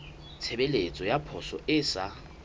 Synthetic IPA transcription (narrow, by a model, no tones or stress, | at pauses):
t͡sʰebelet͡sʼɔjapʰɔsɔɪsa